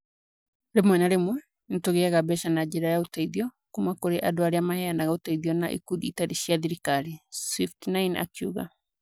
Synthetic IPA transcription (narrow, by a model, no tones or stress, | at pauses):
ɾemwɛnaɾemwɛ | netoɣeaɣabɛʃanad͡ʑeɾajaotaiðiɔ | kumakoɾeʔadoaɾeamahɛanaɣaotaiðiɔnaʔḭkuðiːtaɾeɕiaðiɾikaɾiswiftnaina̰kiuɣa̰